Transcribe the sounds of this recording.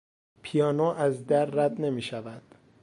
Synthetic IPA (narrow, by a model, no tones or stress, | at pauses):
pʰijɒːnoːʔæzd̪æɾːæd̪ne̞miːʃævænd̪̥